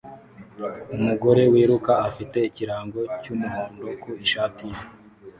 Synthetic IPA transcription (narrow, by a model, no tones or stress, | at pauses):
umuɡo̞ɾe̞wiːɾukaafite̞iciɾaːŋɡo̞cumuɾoːndokuiʃaːtije